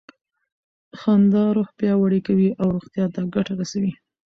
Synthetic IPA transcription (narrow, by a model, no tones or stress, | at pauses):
xɑnd̪ɑɾoxpjɑwaɽikawiʔawɾoɣt̪jɑt̪aɡaʈaɾasawi